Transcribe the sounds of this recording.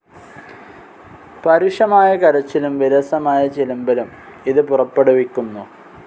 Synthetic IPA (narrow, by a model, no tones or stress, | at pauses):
pɐɾuʂɐmaːjɐkɐɾɐt͡ɕːilumʋiɾɐsɐmaːjɐt͡ɕelumbɐlum | iðɨpurɐpːeɽuʋikʲːunːu